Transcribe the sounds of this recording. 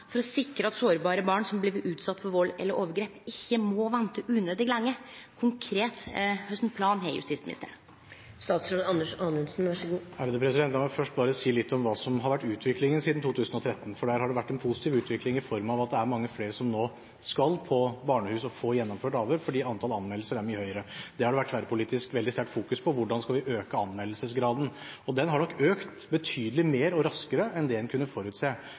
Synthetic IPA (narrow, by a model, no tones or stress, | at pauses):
fɔɾɔsɪkɾəɑt̪soːɾbɑːɾəbɑːɳsɔmbliːʋəʉːt̪sɑt̪ːfɔɾʋɔlːɛ̰lːəʔoːʋəɾɡɾeːpɪçːəmɔʋɛnt̪əʔʉːnøːd̪ɪɡlɛŋːəkʰʊŋkʰɾeːt̪hœst̪npʰlɑːnɦɛɪjʉ̰st̪ɪsmɪnɪ̰t̪ːə̰ɾ | st̪ɑːt̪sɾod̪ɑnːəʂɑːnʉnsnæɡæːɾəd̪əpʰɾɛsɪd̪ɛnt̪ɑmɛfœʂʈ̚bɑːɾəsiːlɪt̪ːɔmʋɑːsɔmɦɑɾʋæʈːʉːt̪ʰʋɪklɪŋənsiːd̪n̩t̪ʰuːt̪ʰʉːsənɔt̪ʰɾɛt̪ːn̩fɔɖæːɾhɑɖɛʋæʈːɛnpʰʊsɪ̥t̪ʰiːʋʉːt̪ʋɪklɪŋɪfɔɾmɑʋɑt̪̚d̪ɛæɾmɑŋːəfleːɾəsɔmnoː | skɑlpʰɔbɑːɳəhʉːsɔfoːjɛnːɔmføːʈɑːʋøːɾfɔɖiːɑnt̪ʰɑlɑnmɛlːəsəɾæɾmyːəhœʏɾəd̪ɛhɑɖɛʋæʈːʋæɾəpʰʊliːt̪ɪskʋɛld̪ɪst̪æʈfuːkʉspʰɔʋʊɖɑnskɑlʋɪʔøːkəɑnmɛlːəsəsɡɾɑːd̪n̩ɔd̪ɛnɦɑɳɔkːøːkt̪ | bət̪ʰyːd̪əlɪmeːɾɔɾɑskəɾəʔɛnd̪ɛɛnkʰʉnːəfɔɾʉːt̪seː